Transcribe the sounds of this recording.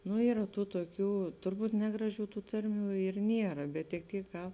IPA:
nʊ ˈiːrɐ ˈtuː tuɔˈkʲuː tʊrˈbuːt ˈnʲæːɡrɐˌʒʲuː ˈtuː ˈtɐrʲˌmʲuː ɪr ˈnʲiɛrɐ bʲɛt tʲɪk ˈtʲiːk kɐ

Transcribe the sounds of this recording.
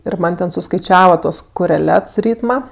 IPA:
ɪr ˈmɐnʲ tʲɛn sʊskɐɪˈt͡ʃʲæːʋɐ ˈtuɔs koːrʲɛˈlʲɛts ˈrʲiːtmɐ

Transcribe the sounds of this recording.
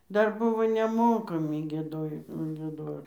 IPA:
ˈdɐr ˈbʊʋoː nʲɛˈmoːkɐmʲɪ ɡʲiɛˈdoːjoː ɡʲiɛˈdoːr

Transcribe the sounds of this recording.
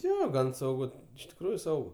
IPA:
ˈjoː ˈɡɐn sɐʊˈɡʊ ɪʃ tʲɪkˈruːjʊ ˈsɐʊɡʊ

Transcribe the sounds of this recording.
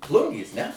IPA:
ˈplˠʊŋʲɡʲeːs nʲɛ

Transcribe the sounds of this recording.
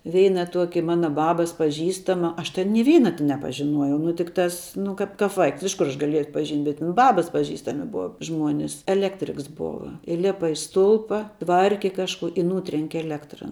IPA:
ˈʋʲɛɪnɐ ˈtuɔkʲɪ ˈmɑːnɐ ˈbɑːbɐs pɐˈʒʲiːstɐmɐ ˈɐʃ tʲɛn nʲɪ ˈʋʲɛɪnɐ tʲɪ nʲɛpɐʒʲɪˈnuɔjɛɪ ˈnʊ tʲɪkˈtɐs ˈnʊ kɐp kɐp ˈʋɐɪks ɪʃ kʊr ˈɐʃ ɡɐˈlʲiɛjɛʊ ɐtpɐˈʒʲiːnʲtʲ bʲɛt tʲɪn ˈbɑːbɐs pɐˈʒʲiːstɐmʲɪ ˈbʊɐ ˈʒmuɔnʲɪs ɛlʲˈæːktʲrʲɪks ˈboːʋɐ ɪˈlʲæːpɐ ɪ ˈstʊlˠpɐ ˈtʋɐrʲkʲɪ ˈkɑːʃkuɔ ɪ ˈnuːtʲrʲɛŋʲkʲɪ ɛlʲˈæːktrɐ

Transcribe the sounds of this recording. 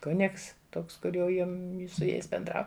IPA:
ˈkʊnʲɪks ˈtoːks ˈkʊr jɛʊ ˈjɪm sʊ ˈjɛɪs bʲɛnˈdrɐʊ

